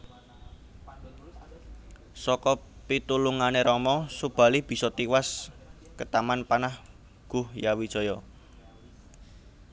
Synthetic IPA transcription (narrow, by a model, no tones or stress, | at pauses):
sɔkɔpit̪uluŋaneɾɔmɔsub̥a̤lib̥i̤sɔt̪iwas | kət̪amanpanah | ɡ̥uhjawid̥ʒ̥ɔ̤jɔ